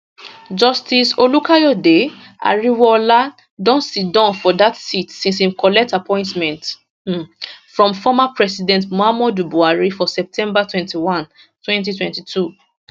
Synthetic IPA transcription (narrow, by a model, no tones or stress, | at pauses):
d͡ʒɔstisolukʰajɔde | ʔa̰ɹiwɔla | dɔ̃ntsit̚dãʊ̃nfɔdatsitsĩnsĩmkʰɔlɛk̚tapʰɔ̃ɪ̃ntmɛ̃nt | fɹɔ̃mfɔmapʰɹɛsidɛ̃ntmoamɔdubuaɹifɔsɛp̚tʰɛ̃mbatwɛ̃ntiwãn | twɛ̃ntitwɛ̃ntitʰu